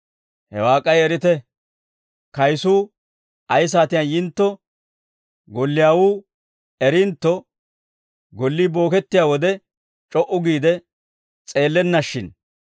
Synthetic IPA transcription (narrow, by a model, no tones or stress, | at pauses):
hɛ̰waːkʼːɐjɛɾɪt̪ɛ | kɐjsuː | ʔɐjs̬aːt̪ɪjanjɪnt̪ːɔ | ɡɔlːɪjaːwuː | ɛɾɪnt̪ːɔ | ɡɔlːiːbo̞ːkɛt̪ːɪjaːwɔd̪ɛ | t͡ʃʼɔʔʊɡiːd̪ɛ | t͡sʼe̞ːlːɛnːɐʃːɪn